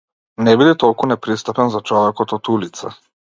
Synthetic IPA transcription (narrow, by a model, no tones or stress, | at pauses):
nɛbid̪ɛt̪ɔlˠkunɛpɾist̪apɛnzat͡ʃɔvɛkɔt̪ɔt̪ulit̪sa̰